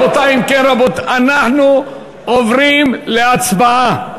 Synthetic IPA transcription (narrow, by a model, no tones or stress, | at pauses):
ot̪aimkenɾabot̪anaħnu | ovʁimle̞at͡sbaa